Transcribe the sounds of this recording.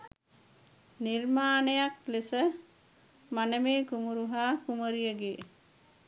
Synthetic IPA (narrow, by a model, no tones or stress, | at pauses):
nirmaːnəjaklesə | manəmeːkumuɾuɦaːkuməɾijəɡe